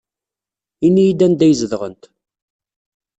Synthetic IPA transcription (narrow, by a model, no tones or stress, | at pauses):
inːijid̪ænd̪æjəzəðʁənt̪